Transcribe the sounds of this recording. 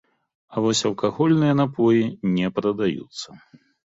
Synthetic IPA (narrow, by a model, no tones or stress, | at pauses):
ɐvɔsʲɐlˠkaɣɔlʲnɨjɐnapʰɔjinʲɛpɾɐd̪ajṵt̪sːɐ̥